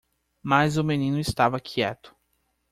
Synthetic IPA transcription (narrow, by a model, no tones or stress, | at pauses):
mazʊmẽnĩnʊɪst̪avɐkʰiɛt̪ʊ̥